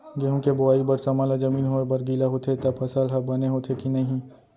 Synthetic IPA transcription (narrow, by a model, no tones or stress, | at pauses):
ɡeɦõkebʊaːibɐɾsɐmaːlad͡ʒɐmiːnɦoebɐɾɡiːlaɦoːt̪ʰet̪ɐbʰɐsəlɦɐb̚bɐneɦot̪ʰekinɐɦĩ